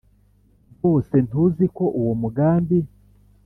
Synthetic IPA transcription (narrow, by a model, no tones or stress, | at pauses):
ɡose̞ntuziko̞ʔuwomuɡaːmbi